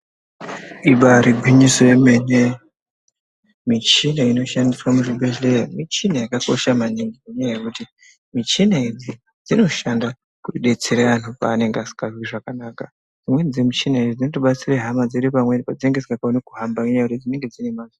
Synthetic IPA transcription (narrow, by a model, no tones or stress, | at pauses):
iɓaɾiɡʱiɲisojemene | mit͡ʃinaino̞ʃandiswamuribeʒlejamit͡ʃinajakako̞ʃamaniŋɡimeɲajajekuti | mit͡ʃinaid͡zi | d͡zino̞ʃanda | kuɗe̞t͡seɾeʋanupa̰ːne̞ŋɡeasi̥kaʐwiʐakanaːka | d͡zimwed͡zemit͡ʃinaid͡zid͡zinotoɓat͡sireɦamad͡ziɾipamwepad͡zineŋɡe̞d͡zikakaonekuɦambaeɲajakutid͡zine̞ŋɡed͡zine̞mazi